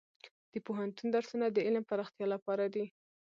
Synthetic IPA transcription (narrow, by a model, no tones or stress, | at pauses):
d̪̥əpoɦant̪und̪aɾsunad̪əɪlmpaɾɑxt̪jɑlapɑɾad̪i